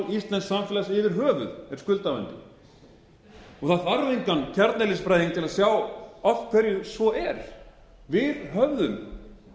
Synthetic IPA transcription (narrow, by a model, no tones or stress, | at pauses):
list̪lɛnsamfɪlasɪvɪɾ̥ɦœːvʏ̰ðɛɾskʏlt̪avɛ̰nt̪ɪ̰ | ɔɣθaðfaɾvejŋkancʰɛɾt̪nɛlɪsfɾajðiŋkt̪ʰɪlaðsjaːwɔft̪̚kʰɛɾjʏsvɔʔɛɾ̥ | vɪðɦœvðʏm